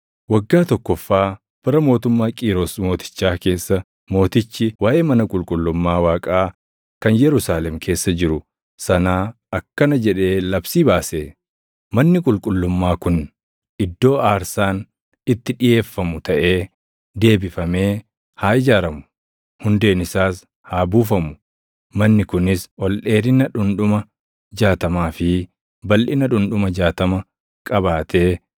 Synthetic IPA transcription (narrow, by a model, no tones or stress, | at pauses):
wɐɡːaːt̪ɔkːɔfːaː | b̥ɐɾɐmo̞ːt̪ʊmːaːkʼiːɾosmo̞ːt̪ɪ̥t͡ʃːaːke̞ːsːɐ | mo̞ːt̪ɪt͡ʃːɪwaːʔeːmɐnɐkʼʊlkʼʊlːʊmːaːwaːkʼaː | kɐnjɛɾʊsaːlɛmkʰe̞ːsːɐd͡ʒɪɾʊ | sɐnaː | ɐkːɐnɐd͡ʒɛᶑe̞ːlɐbsiːbaːseː | mɐnːɪkʼʊlkʼʊlːʊmːaːkʊn | ʔɪd̪ːo̞ːaːɾsaːn | ɪt̪ːɪᶑɪje̞ːfːɐmʊt̪ʰɐʔe̞ː | d̪e̞ːbɪfɐme̞ː | haːʔɪd͡ʒaːɾɐmʊ̥ | hʊnd̪e̞ːnɪsaːs | haːbuːfɐmʊ̥ | mɐnːɪkʊnɪsʔɔlᶑe̞ːɾɪnɐᶑʊnᶑʊmɐ | d͡ʒaːt̪ɐmaːfɪ | bɐlʔɪnɐᶑʊnᶑʊmɐd͡ʒaːt̪ɐmɐ | kʼɐbaːt̪ʰe̞ː